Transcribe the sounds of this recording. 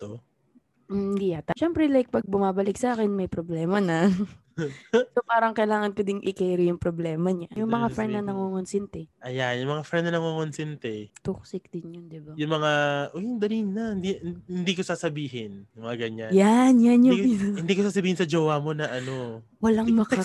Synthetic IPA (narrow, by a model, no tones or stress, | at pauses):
t̪o | m̩d̪iat̪ɐʃɛmpɾɛlajk̚pɐɡ̚bʊmaːbɐlɪk̚sɐaːkɛnmɐjpɾoblɛːmɐnɐ | sopaːɾɐŋkɐjlaːŋɐnkɛd̪ɪŋʔɪkɛjɾɪjʊŋpɾoblɛːmɐɲajʊŋmɐŋafɾɛnd̪nɐnɐŋoŋonsɪnt̪ɛʔɐjanjʊŋmɐŋafɾɛnnɐnɐŋoŋonsɪnt̪ɛt̪uksɪk̚d̪ɪnjond̪ɪbajʊŋmɐŋaʔojʊŋd̪ɐliŋnɐhnd̪ihɪnd̪iːkosaːsɐbiːɦɪnjʊmɐŋaɡɐɲajanjanjʊhɪnd̪iːkosaːsɐbiːhɪnsɐd͡ʒoːwamo̞nɐʔɐno | wɐlaŋmɐkɐ